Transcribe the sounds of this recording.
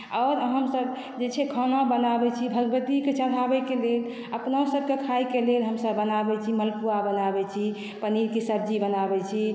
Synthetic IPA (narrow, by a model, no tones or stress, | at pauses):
ɔɾɦəmsəb | d͡ʒet͡ʃʰɛkʰənabənabɛt͡ʃʰibʱəɡbət̪iket͡ʃəɾʱabɛkelel | əpnaosəb̚kekʰaikelelɦəmsəbːənabɛt͡ʃʰiməlpuabənabɛt͡ʃʰi | pəniɾkesəb̚d͡ʒibənabɛt͡ʃʰi